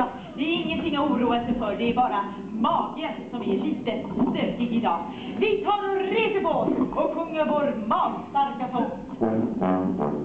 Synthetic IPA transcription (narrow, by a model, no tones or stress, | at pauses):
d̪ɛæɾɪŋːənt̪ɪŋːauːɾuːasəfœɖɛæɾbɑːɾa | mɑːɡəsɔmɪæɭiːt̪əst̪øːkɪɡ̪ɪd̪ɑːɡ | vɪt̪ʰɑːɾɛnɾeːd̪əboːt̪ɔkhɵŋːaɾvoːɾmɑːnst̪aɾkafɔt̪